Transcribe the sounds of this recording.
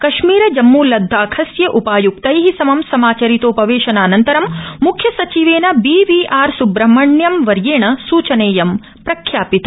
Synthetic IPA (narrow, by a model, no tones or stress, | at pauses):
kɐʃmiːɾɐd͡ʒɐmːuːlɐd̪ʱːaːkʰɐsjɐʔupaːjuk̚t̪ɐjɦisɐmɐmsɐmaːt͡ʃɐɾit̪oːpɐʋeːʃɐnaːnɐnt̪ɐɾɐmmukʰjɐsɐt͡ʃiʋeːnɐbiʋiːʔaːɾsubɾɐmɐɳjɐmʋɐɾjeːɳɐsuːt͡ʃɐneːjɐm | pɾɐkʰjaːpit̪ɐ